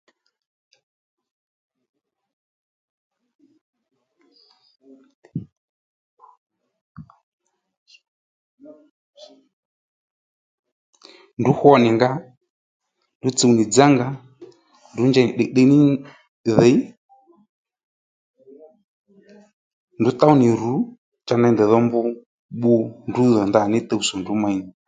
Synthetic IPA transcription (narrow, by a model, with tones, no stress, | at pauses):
ndu˨˦hɔ˦˨nɛ˨ŋɡa˦ | ndu˨˦t͡si˦˨u˨ni˨d͡za˦ŋɡa˨ | ndu˨˦nd͡ʒɛ˨n˨ɗɛ˨ɗɛ˦ni˦ | ðɛ˨˦i˦ | ndu˨˦t̪a˦u˦ni˨ɾu˨˦ | t͡ʃa˧na˨i˦ndɛ˨ðɔ˦mbu˦ | ɓu˦ndu˦ðɔ˨nda˨nɛ˦t̪ɛ˦˨u˨sɔ˨ndu˨˦ma˨i˦˨